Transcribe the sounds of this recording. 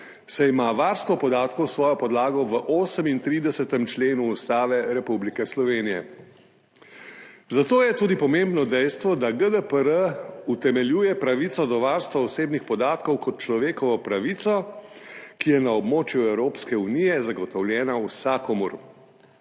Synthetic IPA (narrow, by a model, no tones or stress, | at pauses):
saimaʋaːɾst̪ʋɔpɔd̪aːt̪kɔwsʋɔːjɔpɔd̪laːɡɔʋəʔoːsəmint̪ɾiːd̪ɛsɛt̪ɛmt͡ʃleːnuːst̪aːʋɛɾɛpublikɛslɔʋeːnijɛ̰ | zat̪oːjɛt̪uːd̪ipɔmembnɔd̪ɛjst̪ʋɔd̪aɡəd̪əpəɾəut̪ɛmɛljuːjɛpɾaʋit̪sɔd̪ɔʋaːɾst̪ʋaɔseːbnixpɔd̪aːt̪kɔwkɔt̪̚t͡ʃlɔʋeːkɔʋɔpɾaʋit̪sɔ | kijɛnaɔbmoːt͡ʃjuɛwɾoːpskɛunijɛzaɡɔt̪ɔwljɛːnausakɔmṵɾ